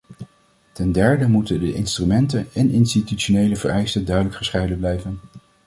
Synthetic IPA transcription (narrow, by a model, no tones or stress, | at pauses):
tɛndɛɹdəmutədəʔɪnstrymɛntənɛnɪnstitytʃonejləvərʔɛjstəndœɥdələkχəsχɛjdənblɛjvən